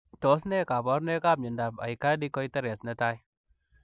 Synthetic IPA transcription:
tɔ˨sne˦ka˨pɔ˦ɾne˦ka˦p̚ɲɪ˨nda˨pa̰˨i˨ka˦di˦kɔ˦itɐ˦ɾɛ˨sne˦ta˦j

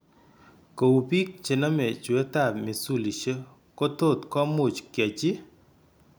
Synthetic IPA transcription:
ko˨u˨pi˦k̚t͡ʃe˨na˦mɛ˨t͡ʃe˦t̪a˦˨mɪ˨su˦˨li˨e˦ | ko˦to˦˨t̪kɔ˦mo˨t͡ʃkja˨t͡ʃɪ˦

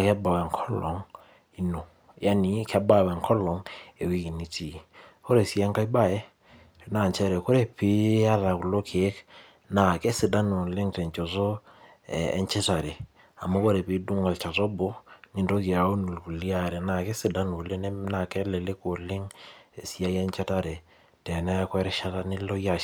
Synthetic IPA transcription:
kɛ˦ba˨wɛ˨ŋkʰɔ˦lɔ˨ŋ | i˨˦no˨ | ja˦ni˨kʰɛ˦ba˦˨wɛ˨ŋkʰɔ˦lɔ˨ŋe˨wi˦ki˨ni˨ti˨kɔ˦ɾɛ˨si˦ɛ˦ŋka˦i˦ba˦˨jɛ˦ | na˨ɲt͡ʃɛ˦ɾɛ˨kɔ˦ɾɛ˦pi˦a˦ɾa˨ku˨lo˦kʰe˨ɛ˦k | na˨kɛ˦sɪ˨da˦nu˨lɪ˦ŋtɛ˨ɲt͡ʃɔ˨sɔ̰ː˦˨ | ɲt͡ʃɛ˦ta˨ɾe˨ | a̰˨ma˦ko˦ɾe˨pi˦du˦ŋa˨lt͡ʃa˨tɔ˦bɔ˦ni˨ndo˦kɪ˨a˨o˦nu˨lku˨li˦a˦˨ɾe˨na˨ke˦sɪ˨da˦no˨le˦ne˦na˨kɛ˦le˨le˦ko˨lɪ˦ŋe˨si˦a˦jɛ˦nt͡ʃɛ˦ta˦ɾe˨ | tɛ˨nɛ˦kwɛ˦ɾɛ˦ʃa˦ta˦nɪ˦lo˦ja˦

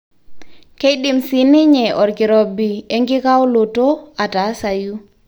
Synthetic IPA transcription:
ke˦i˦ɗɪ˨msi˨nɪ˦ɲɛ˨ʔɔ˨ɾkɪ˨ɾɔ˨bi˨e˦ŋɡɪ˦ka˦wo˦lo˨to˦a˨ta˨˦sa˨ju˦

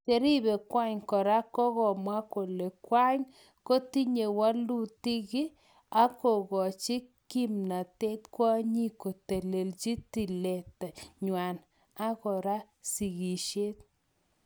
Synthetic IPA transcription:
t͡ʃe˦ɾi˦βɛ˨kwa˦ɲkɔ˨ɾa˦kɔ˦ɣɔ˨mwa˦ko˨le˨kwa˦ɲ | ko˦ti˦ɲe˨wa˦lu˦ti˦ɣɪ˦ | a˦kɔ˨ɣɔ˨t͡ʃɪ˦ki˦mna˨te˦tkwɔ˦ɲi˦ko˨te˨le˨lt͡ʃi˦ti˨le˨ta˨ɲwa˨n | a˦kɔ˨ɾa˦ | si˨ɣi˨ʃe˦t̚

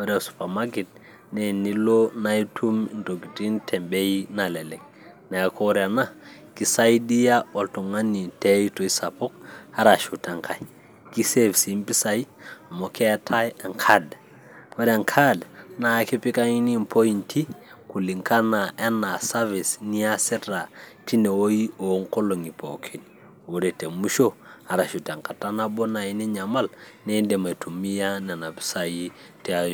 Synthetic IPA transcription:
we˦ɾa˨su̥˨pa˨ma˦ɡe˨t̚ | nɛ˨ni˦lo˦na˦jtʰu˦m˨nto˨ɡi˨ti˦ntʰɛ˨mbe˦ji˦na˨lɛ˨lɛ˨k̚ | na˨a˨kʰo˦ɾa˨na˦ki˦sa˦i˦di˦ja˦o˨ltu˨ŋa˦ni˨te˦i˦to˨i˦sa˨pɔ˦k̚ha˦ɾa˨ʃu˨ta˨ŋkʰa˨ji | ki˦se˦˨vsi˨˦mpi˦sa˦jmo˨kɛ˦tʰa˦ja˨ŋkʰad | ko˦da˨ŋkʰa˦dna˨˦ke˦pi˦ka˦ŋi˦ni˦m̩pʰo˦i˨nti˦ku˨li˨ŋka˦na˨a˦na˨sa˦vi˨sni˦a˦sɛ˦ɾa˨ti˦ne˨wo˦ji˦o˨˦ŋkɔ˦lo˨ŋi˨pʰo˨kʰe˨ni | wo˨dɛ˨te˨mu˦ʃo˦a˨ɾa˨ʃu˨ta˨ŋka˨ta˦na˦bɔ˦na˨i˦nɛ˦ɲa˨ma˦lne˦ndɛ˨ma˨tʰu˨mi˦ja˦na˨na˨pi̥˦sa˨ji˦ | tɛ˦a˦jo

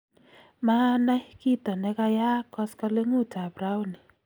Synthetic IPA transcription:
ma˦na˦jki˦tɔ˨nɛ˦ka˦ja˦kːɔ˦skɔ˦le˦ŋu˦˨ta˨pɾa˦wʊ˦nɪ˨

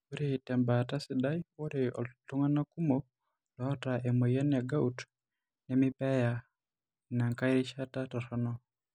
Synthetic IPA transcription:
u˦ɾitɛ˨mbata˦siɗaiɔ˦ɾɛɔtu˦ŋa˦na˦ku˦mɔ | lɔɔtaʔɛmɔ˨ja˦na˨ɡa˦ut | nɛmi˦pɛ˦ja | na˨ŋka˦iɾi˦ʃa˦tatɔ˨ɾɔnɔ

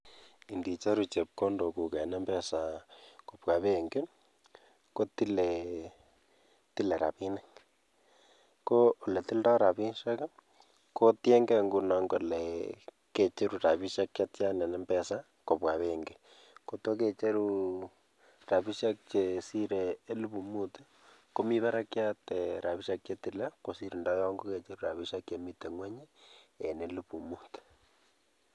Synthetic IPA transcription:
i˨ndi˨t͡ʃa˦ɾu˨t͡ʃe˨p̚ko˦ndo˨ku˨kɛ˨nɛ˦mbɛ˦sa˨ko˨pwa˨βe˦˨ŋɡe˦ | ko˦ti˦le˨ | ti˦le˨ɾa̰˨pi˦nɛ˦k | ko˦o˨lɛ˨ti˦ldɔ˦ɾa˨pi˦nʃɛ˦ka˦ | ko˦tje˦ŋɡɛ˦ŋɡu˨nɔ˨ŋɡo˨lɛ | ke˨t͡ʃe˦ɾu˨ta˨pi˦ʃa˦k̚t͡ʃa˦tt͡ʃa˦nɛ˨nɛ˦mbɛ˨sa˦ | ko˨pwa˨βe˦ŋɡe˨ | ko˨to˦ke˨t͡ʃe˦ɾu˦ | ra˨βi˦ʃa˦k̚t͡ʃe˨si˦ɾeː˨˦lu˦βu˨mu˦t | ko˦mi˦βa˦ɾa˦kja˦tɛ˨ɾa˨βi˦ʃa˦kt͡ʃe˦ti˨la˦ko˨si˦ɾu˨nda˦jɔ˦ŋɡo˦ke˨t͡ʃe˦ɾu˦ɾa˨βi˦ʃa˦kje˨mi˦te˨ŋwɛ˦ɲe˦e˨ne˦lu˦pu˨mu˦t̪

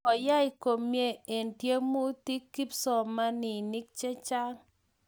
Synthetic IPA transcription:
ɔ˨ja˦i˨ko˨mje˦˨e˨ntje˦mo˦ti˦kːi˦psɔ˨ma˦nɪ˨ni˦k̚t͡ʃe˦t͡ʃa˦ŋ

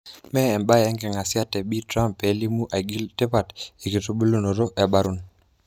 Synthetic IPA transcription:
mɛ˦ɛ˨mba˦ɛ˦ŋɡɛ˨ŋa˨sɪ˦a˦tɛ˨bi˦tɾa˦mpe˨˦li˦mu˦ʔa˨ɡi˦ltɛ˦pa˨ti˨ki˨tu˦bu˦lo˦no˨ɾo˦ʔɛ˨ba˦ɾu˨n

